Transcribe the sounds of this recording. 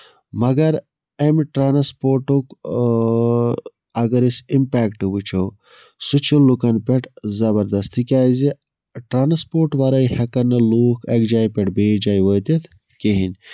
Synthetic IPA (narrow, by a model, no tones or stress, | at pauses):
mɐɡɐɾ | emʈɾaːnɐspoːɾʈuk | ɐɡɐɾisimpaːkʈɨbut͡ʃʰɐw | sut͡ʃʰilukɐnpʲeʈzɐbɐɾd̪ɐst̪ʰikʲaːzi | ʈɾaːnɐspoːɾʈʋɐɾɐjhɐkɐnːɐluːkʰɐkd͡ʒaːipʲeʈbeːd͡ʒaːjʋot̪et̪ʰ | keɦin